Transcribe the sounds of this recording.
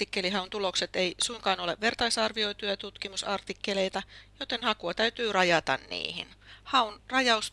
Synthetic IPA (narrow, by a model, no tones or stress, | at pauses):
t̪ikːeliɦɑunt̪ulokset̪eisuiŋkɑːnoleʋʋe̞rt̪ɑisɑrʋioit̪yɑt̪ut̪kimusɑrt̪ikːeleit̪ɑjot̪enhɑkuɑt̪æyt̪yːrɑjɑt̪ɑ̰nnḭːhḭnhɑunrɑjɑus